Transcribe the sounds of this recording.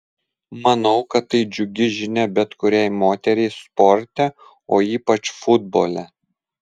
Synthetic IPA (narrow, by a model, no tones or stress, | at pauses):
mɐnɒʊkɐt̪ːɐɪd͡ʒʲʊɡʲɪʒʲɪnʲɛbʲɛt̪kʊɾʲɛɪmoːt̪ʲɛɾʲɛɪspɔɾʲt̪ʲɛ | oːiːpɐt͡ʃfʊd̪̚boːlʲɛ